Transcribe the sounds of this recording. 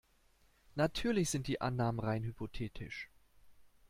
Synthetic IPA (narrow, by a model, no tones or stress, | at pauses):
natʰyːɐlɪçz̥ɪnt̚d̥iːʔa̰nːaːmənʁaɪnhypʰotʰeːtʰɪ̰ʃ